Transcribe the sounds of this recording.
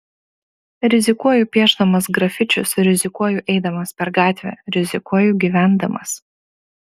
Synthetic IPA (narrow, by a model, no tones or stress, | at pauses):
ɾʲɪzʲɪkuɔjupʲiɛʒd̪ɐmɐsɡɾɐfʲɪt͡ʃʲʊsɾʲɪzʲɪkuɔjʊʔɛɪd̪ɐmɐspʲɛɾɡɑːt̪ʲʋʲɛ̰ːɾʲɪzʲɪkuɔjuɡʲiʋʲæˑnd̪ɐmɐ̰s